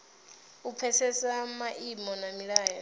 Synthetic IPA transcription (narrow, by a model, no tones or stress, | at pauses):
upʰɛsɛsamaʔimɔnamiɺaːja